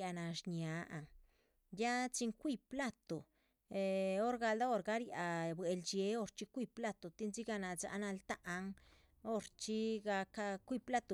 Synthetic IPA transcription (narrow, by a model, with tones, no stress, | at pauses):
a˧na˨ʃɲja˧a˨ | ja˦t͡si˧ŋkʷi˧pla˦t̪o˨ | e˧o˦ɾɡa˧ld̪a˦o˧ɾɡa˧˦ɾja˨bwe˨ld͡ʒe˧˦o˧ɾt͡ʃi˦kʷi˧pla˦t̪o˨t̪i˦nzi˦ɡa˧na˧za̰˧na˧lt̪a˦ʔːŋ | o˦ɾt͡ʃi˦ɡa˧ka˧kʷi˦˧pla˦t̪o˨